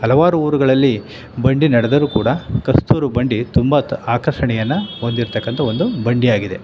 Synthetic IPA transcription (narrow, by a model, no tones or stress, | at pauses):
ɦɐlɐʋaːɾuuːɾuɡɐɭɐlːi | bɐɳɖinɐɽed̪ɐɾuːkuːɽɐkɐst̪uːɾubɐɳɖit̪umbɐaːkɾɐʂɐɳɛjɐnːuo̞nd̪iɾt̪ɐkːɐnt̪ʰɐo̞nd̪ubɐɳɖijaːɡid̪e̞̰